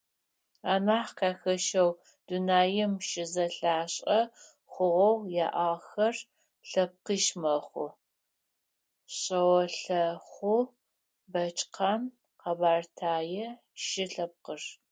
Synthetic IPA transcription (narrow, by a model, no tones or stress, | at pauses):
aːnaːħkʰaːxɐʃɐw | d̥unaːjɪmʃɪzɐɬaːɕʼɐ | χʷʊʁɐwjaːʔaːxɐr | ɬɐp̚qiːʃmɐχʷʊ̰ | ɕʼɐwɔɬɐχʷʊ | bɐt͡ʃʼqʰaːn | qʰɐbaːrtʰaːjɛ | ʃɪɬɐp̚qər